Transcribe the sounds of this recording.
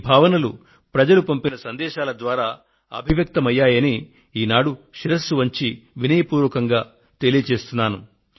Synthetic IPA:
bʱaːʋɐnɐlu | pɾɐd͡ʒɐlupɐmpinɐsɐnd̪ɛːʃaːlɐd̪ʋaːɾaː | ɐ̰bʱiʋjɐk̚t̪ɐmɐjːaːjɐni | iːnaːɽuʃiɾɐsuʋɐɲt͡ʃiʋinɐjɐpuːɾʋɐkɐŋɡaː | t̪e̞lijɐt͡ʃe̞ːst̪unːaːnu

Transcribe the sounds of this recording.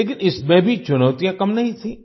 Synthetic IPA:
eːk̬ɪnɪsmẽbʱit͡ʃʊnəːt̪ijãkɐmnɐɦĩt̪ʰiː

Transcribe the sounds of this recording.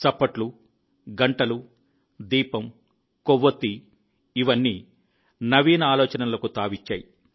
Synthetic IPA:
t͡ʃɐpːɐʈlu | ɡɐɳʈɐlu | d̪iːpɐm | koʋːot̪ːi | iʋɐnːiː | nɐʋiːnɐaːlɔːt͡ʃɐnɐlɐkut̪aːʋit͡ʃːa̰ːji

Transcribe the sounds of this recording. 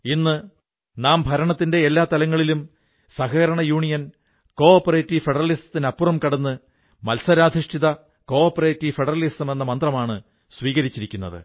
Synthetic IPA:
inːɨ | naːmbʱɐɾɐɳɐt̪ːinde̞ːlːaːt̪ɐlɐŋːɐɭilum | sɐɦɐɐɾɐɳɐjuːɳijɐn | ko̞ːpːɐre̞ːtːifeɽɐrɐlisɐ̥t̪ːinɐpːurɐmkɐɽɐnːɨ | mɐlsɐɾaːd̪ʱiʂʈiðɐ | ko̞ːrpːɐre̞ːtːifeɽɐrɐlisɐme̞nːɐmɐnd̪rɐmaːɳɨ | sʋiːɣɐɾit͡ɕːiɾikʲːunːɐ̰ðɨ̰

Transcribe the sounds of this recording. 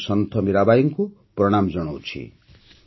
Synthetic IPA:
sʌnt̪ʰʌmiɾabajʌŋko | prʌɽ̃amd͡zʌɽ̃ʌwt͡sʰḭ

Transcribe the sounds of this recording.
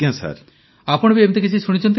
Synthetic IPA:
ãsa̰ɾ | apɔɽ̃biemt̪ek̬it͡ʃʰisuɽ̃it͡ʃʰɔnt̪̬

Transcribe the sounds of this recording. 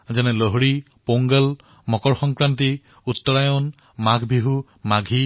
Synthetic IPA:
zɛnɛloɦɹi | poŋɡəl | mɔkɔɹxɔŋkɹanti | ut̪ːɔɹajɔn | maɡʱbʱiɦu | maɡʱi

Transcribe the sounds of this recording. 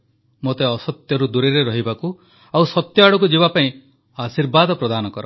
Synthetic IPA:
mot̪eɔsɔt̪jɔɾud̪uɾeɾeɾɔɦibaku | awsɔt̪jɔaɽɔk̬ud͡ʒibapaĩ | asiɾbad̪ɔpɾɔd̪anɔkɔɾɔ

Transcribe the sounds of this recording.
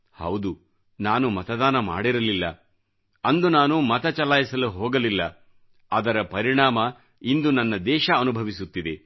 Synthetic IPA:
hɐwd̪u | naːnumɐt̪ɐd̪aːnɐma̰ːɽiɾɐlilːɐ̰ | ɐnd̪unaːnumɐt̪ɐt͡ʃɐlaːjisɐluɦɔːɡɐlilːɐ | ɐd̪ɐɾɐpɐɾiɳaːmɐ | ind̪unɐnːɐd̪ɛːʃɐɐnubʱɐʋisut̪ːid̪e̞

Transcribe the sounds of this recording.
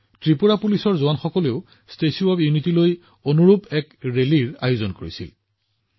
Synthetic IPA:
tɹipuɹapulisɔɹzʊwanxɔkɔleʊ | stesuɔbjunitiloj | onuɹupɛkɹeliɹa̰juzɔnkoɹisḭl

